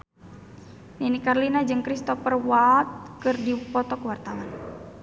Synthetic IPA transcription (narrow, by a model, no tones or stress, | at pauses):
ninikarlinad͡ʒɨŋkɾist̪ɔpərwat̪̚kɨrdipɔt̪ɔkəwart̪awan